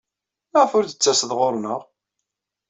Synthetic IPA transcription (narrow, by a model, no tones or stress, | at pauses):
əʁfʊɾd̪ət͡sːæsəðʁoɾˤnəʁ